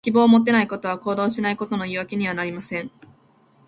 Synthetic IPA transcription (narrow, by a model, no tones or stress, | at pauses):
kʲibo̞ːmo̞t̪̬ːe̞naiko̞t̪o̞β̞ako̞ːd̪o̞ːɕinaiko̞t̪o̞no̞iβake̞ɲ̟iβ̞anaɾʲimasẽ̞ɴ